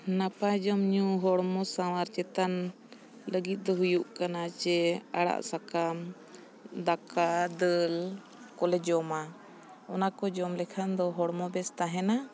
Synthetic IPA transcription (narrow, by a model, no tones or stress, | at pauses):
napad͡ʒɔmɲũɦɔɽmɔsawaɾt͡ʃɛt̪an | ləɡit̪̚d̪ɔɦujuʔkanat͡ʃɛaɽa̰ʔsakam | d̪akad̪əl | kɔlɛd͡ʒɔma | ɔnakɔd͡ʒɔmlɛkʰand̪ɔɦɔɽmɔbɛst̪aɦɛna